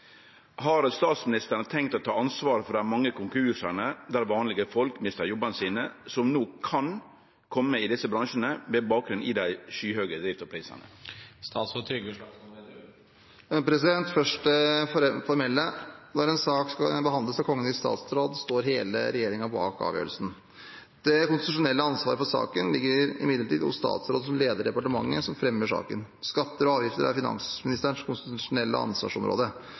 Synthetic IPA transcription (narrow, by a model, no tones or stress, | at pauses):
hɑɾst̪ɑːt̪smɪnɪst̪əɳət̪ʰɛŋkt̪ɔt̪ʰɑːɑnsʋɑːɾəfɔɾɖ̪ɛææɾmɑŋːəkʰʊŋkʰʉːʂəɳəd̪æɾʋɑːnlɪɡəfɔlkmɪst̪əjɔbːənəsiːnəsɔmnoːkʰɑn | kʰɔmːəɪd̪ɪsːəbɾɑŋʂənəʋɛbɑːk̚ɡɾʉnʔɪd̪æɪʃyːhøːɡəd̪ɾɪft̪ɑpʰɾiːsə̰nə̰st̪ɑːt̪sfɔt̪ʰɾʏɡə | pɾɛsɪd̪ɛnt̪fœʂʈəffɔɾmɛlːəd̪æɾɛnsɑːkskɑbəɦɑnd̪ləsɑkʰɔŋːənɪst̪ɑ̰ːt̪sɾoːd̪st̪oːɾɦeːlə̰ɾɛjeːɾɪŋɑpɔɑ̰ːkɑ̰ːʋjø̰ːɾəlsən̩ | d̪̥ɛkʊnst̪ɪt̪ʉʂʊnɛlːəɑnsʋɑːɾəfɔɾʂɑ̰ːkənlɪɡːəɾɪmɪd̪əʈiːd̪ɔ̰sst̪ɑ̰ːt̪sɾoːd̪əsɔmleːd̪əɖɛpɑʈəmɑ̰ŋːə̰sɔmfɾɛmːəʂɑ̰ːkə̰n | skɑt̪ːəɾɔɑːʋjɪft̪əɾæ̰ɾfɪnɑ̰nsmɪnɪst̪əɳʂkʰʊnst̪ɪt̪ʉʂʊnɛlːʔə̰ɑ̰nsʋɑ̰ːʂɔmɾʔo̰ːd̪ə